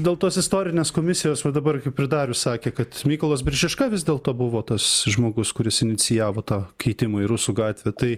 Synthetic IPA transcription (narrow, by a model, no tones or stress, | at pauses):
d̪ʲeːlˠt̪oːsɪst̪oːɾʲɪnʲeːskoːmʲɪsʲɪjoːsʋɐd̪ɐbɐrkɐɪppʲɾʲɪd̪ɑːɾʲʊssɑːkʲeːkɐt̪mʲiːkoːlˠoːs̬bʲɪɾʲʒʲɪʃkɐʋʲɪzʲd̪ʲeːlˠt̪oːbʊʋoːt̪ɐsʒmoːɡʊskʊɾʲɪsɪnʲɪt͡s̪ʲɪjæːʋoːt̪ɑːkʲʰɛɪt̪ʲɪmoːɪɾʊsuːɡɑːt̪ʲʋʲeːt̪ɐɪ